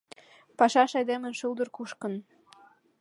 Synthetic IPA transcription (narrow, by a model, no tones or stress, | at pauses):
pɑʃɑʃɑjd̪emə̆nʃuld̪ɤ̆rkuʃkə̆n